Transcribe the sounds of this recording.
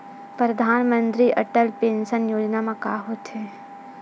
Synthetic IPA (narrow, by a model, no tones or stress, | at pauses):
pɾɐd̪ʱaːnmə̃nt̪ɾiʔɐʈəlpeːnsənjoːd͡ʒnamãkaːɦoːt̪ɦe